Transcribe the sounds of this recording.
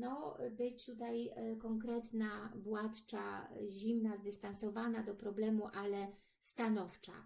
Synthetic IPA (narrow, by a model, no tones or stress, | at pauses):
nɔbɘt͡ɕt̪ut̪ajkɔŋkɾɛt̪navwat̪t͡ʂa̰ʑimnazd̪ɘst̪ansɔvanad̪ɔpɾɔblɛmuʔalɛ | st̪anɔft͡ʂa̰